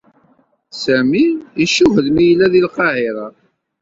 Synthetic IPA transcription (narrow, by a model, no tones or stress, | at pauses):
sæmiiʃuɦəðmijəlːæðilqɑhɪɾˤə